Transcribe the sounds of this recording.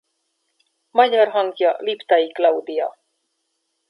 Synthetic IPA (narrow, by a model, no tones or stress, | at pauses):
mɒɟɑrɦɒŋkjɒlipt̪ɑiklɑwd̪ijɑ